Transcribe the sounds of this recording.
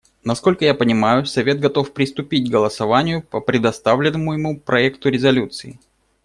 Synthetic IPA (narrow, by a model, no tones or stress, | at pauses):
nɐsko̞lʲkəjapənʲɪmajʊsɐvʲe̞t̪̚ɡɐt̪o̞fpɾʲɪst̪ʊpʲitʲɡəlˠəsɐvanʲɪjʊpəpɾʲɪd̪ɐst̪avlʲɪnːəmʊjɪmupɾʔɐɛkt̪ʊɾʲɪzɐlʲut̪sɨɪ